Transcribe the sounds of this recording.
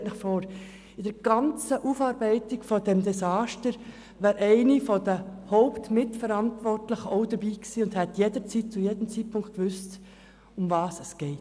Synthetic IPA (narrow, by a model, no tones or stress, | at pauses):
tnɪχfɔːɾ | ɪd̥əɾɡ̥ɑnt͡səʔufɑːɾbɛɪtɪɡ̥fɔdɛmd̪ɛsɑːʃtəɾ | ʋæːɾʔɛɪnifɔd̥əhɔʊptmɪtfəɾɑntvɔrtləχəɔʊdəɾbiːksiːʊnd̥hɛtjedəɾt͡sitt͡sujed̥əm̩t͡sit̚pʊŋkt̚kʋʏst | ʊmvɑːsɛsɡ̥ɛɪt